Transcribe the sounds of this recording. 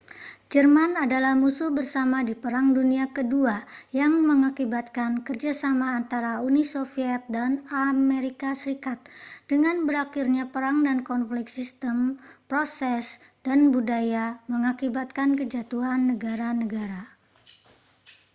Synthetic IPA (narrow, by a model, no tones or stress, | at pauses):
d͡ʒərmanadalahmusuhbərsamadipəɾaŋduniakəduajaŋməŋakibat̪̚kankərd͡ʒasamaːnt̪aɾaunisofiɛt̪̚danameɾikasəɾikat̪̚d̥əŋanbəɾakirɲapəɾaŋdankɔnflɪksist̪əmpɾosɛs | d̥anbudajaməŋakibat̪̚kankəd͡ʒat̪uɦanːəɡaɾanəɡaɾa